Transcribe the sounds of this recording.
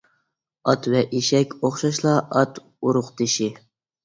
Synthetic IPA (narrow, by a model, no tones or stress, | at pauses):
ɑt̪wɛʔiʃɛkʲoχʃɑʃlˠɑʔɑt̪ | uɾʊqt̪ʰɪʃi